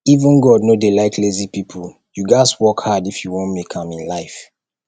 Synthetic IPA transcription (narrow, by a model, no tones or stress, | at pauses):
ivə̃nɡɔdnodelaɪkʰlezipipʰɔl | juɡaɪswɔkhadifjuwɔ̃nmekʰãmĩnlaɪf